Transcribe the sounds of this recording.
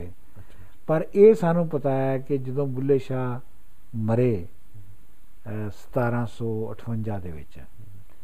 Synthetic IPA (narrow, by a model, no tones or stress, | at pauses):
pəɾeːsaːnũːpət̪aːɛːkɪd͡ʒəd̪õːbʊlːeːʃaː | məɾeː | sə̥t̪aːɾãːsɔːə̰ʈʰʋəɲd͡ʒaːd̪ḛːʋɪ̰t͡ʃ